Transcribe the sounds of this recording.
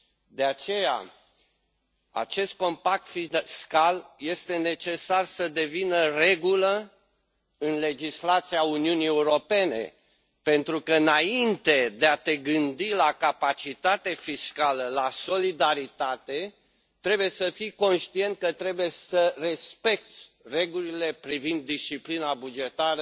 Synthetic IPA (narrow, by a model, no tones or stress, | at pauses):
d̪e̞at͡ʃe̞ja̰ | a̰t͡ʃe̞st̪̚ko̞mpak̚t̪fiskalje̞st̪e̞ne̞t͡ʃe̞sarsəd̪e̞vinəre̞ɡulə | ɨnle̞d͡ʒislat̪siauniunie̞uɾo̞pe̞ne̞̰ | pe̞nt̪ɾukəɨnaint̪e̞d̪eat̪e̞ɡɨnd̪ilakapat͡ʃit̪at̪e̞fiskaləlaso̞lid̪aɾit̪at̪e̞ | t̪ɾe̞buje̞səfijko̞nʃt̪ie̞nt̪̚kət̪ɾe̞buje̞səre̞spe̞k̚t̪sʲ | re̞ɡulile̞pɾivind̪ːisʃt͡ʃiplinabud͡ʒe̞t̪aɾə